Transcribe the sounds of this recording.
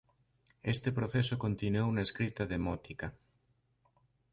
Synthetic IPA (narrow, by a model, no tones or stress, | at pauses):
est̪epɾoθesʊkont̪inuownaeskɾit̪ɐðemɔt̪ikɐ